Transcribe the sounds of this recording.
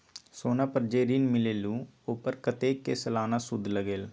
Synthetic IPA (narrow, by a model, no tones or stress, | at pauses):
soːnaːpəɾd͡ʒeːɾinmɪleːlũːoːpəɾkət̪eːkeːsəlaːnaːsʊd̪ʱləɡeːl